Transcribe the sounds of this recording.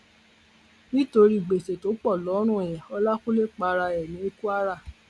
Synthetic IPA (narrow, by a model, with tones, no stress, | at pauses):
nĩ˦to˧ɾi˦˨ɡ͡be˨se˨to˨˦k͡pɔ˦˨lɔ˨˦ɾ̃ũ˦˨ɛ˨jɛ̃˨ɔ˧˦la˦ku˦le˦k͡pa˨˧ɾa˧ɛ˨nĩ˨˦e˦ku˦a˦ɾa˦˨